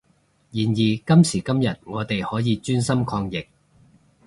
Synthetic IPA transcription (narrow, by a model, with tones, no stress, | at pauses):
jiː˨njiː˨˩kɐ˥msiː˨˩kɐ˥mjɐ˨t̚ŋɔː˨˧t̪e˨jhɔː˨˥jiː˨˧t͡ʃyː˥nsɐ˥mkʰɔː˧ŋjɪ˨k̚